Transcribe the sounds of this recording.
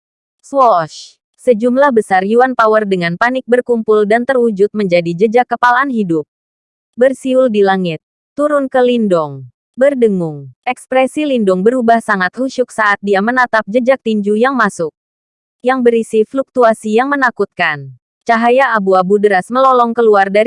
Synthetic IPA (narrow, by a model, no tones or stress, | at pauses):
swɔʃ | səd͡ʒumlahbəsarjuanpawərdəŋanpanɪk̚bərkumpʊldant̪ərud͡ʒut̪̚məɲd͡ʒadid͡ʒəd͡ʒakːəpalaanɦidʊp̚ | bərsiʊldilaŋɪt̪̚ːuɾʊnkəlindɔŋ | bərdəŋʊŋʔɛkspɾɛsilindɔŋbəɾubahsaŋat̪̚huʃʊk̚saʔat̪̚diamənat̪ap̚d͡ʒəd͡ʒak̚t̪iɲd͡ʒujaŋmasʊk̚ | jaŋbəɾisifluk̚t̪uasijaŋmənakut̪̚kan | t͡ʃaɦajaʔabuabudəɾasməlɔlɔŋkəluardaɾ